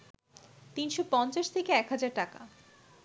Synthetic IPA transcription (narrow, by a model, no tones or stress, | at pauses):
t̪inʃopɔnt͡ɕaʃt̪ʰekeɛkɦad͡ʑaɾʈaka̰